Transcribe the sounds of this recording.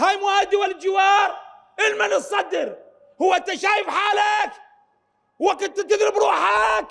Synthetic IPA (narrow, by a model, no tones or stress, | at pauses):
hajmʊwaːd̪iwald͡ʒɪwɑːɾˤ | ʔɪlmanɨsˤːɑd̪ːɪɾ | hʊwːat̪ːaʃaːjɪfħaːlak | waqɪd̪̚t̪ɪt̪ɪðɾɪbɾuːħak